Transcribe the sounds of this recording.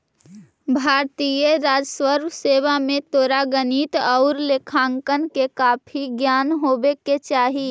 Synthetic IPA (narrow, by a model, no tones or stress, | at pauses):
bʱaːɾt̪ijəɾaːd͡ʒswəɾbseːʋamẽt̪oːɾaɡənit̪ɔʊɾlekʰãːŋkənkekaːpʰiɡjaːnɦoːbeket͡ʃaːɦi